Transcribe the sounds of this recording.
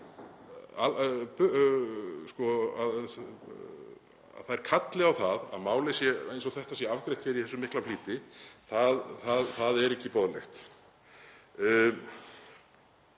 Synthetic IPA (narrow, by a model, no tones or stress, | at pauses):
alp | skɔað | a̰ðθaðɛɾ̥kʰat̪lɪawθaða̰ðmaːwlesjɛejnsɔθɛht̪asjɛavkɾejt̪çʰɛɾiθɛsːʏmɪhklafliːt̪ɪθaðθaðθaðɛɾɛhcːɪpɔðlɛ̰xt̪